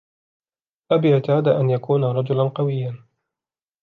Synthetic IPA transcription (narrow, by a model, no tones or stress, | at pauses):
ʔabjat̪aːd̪aʔanjakuːnaɾˤɑd͡ʒʊlanqɑwɪjːan